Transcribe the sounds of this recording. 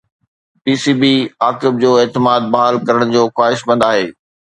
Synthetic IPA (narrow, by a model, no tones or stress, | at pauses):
piːsiːbiaːkɪb̚d͡ʑoːeːt̪ɪmaːd̪̚baɦəlkɐɾəɽ̃d͡ʑoːxwaːɦɪʃbɐ̃nd̪aːɦeː